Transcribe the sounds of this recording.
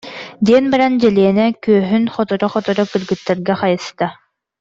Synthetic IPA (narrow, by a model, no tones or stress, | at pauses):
d̪iɛnbaɾand͡ʑɛliɛnɛkyːɦynχɔt̪ɔɾɔχɔt̪ɔɾɔkɯlɡɯt̪ːɛɾɡaχajɯst̪a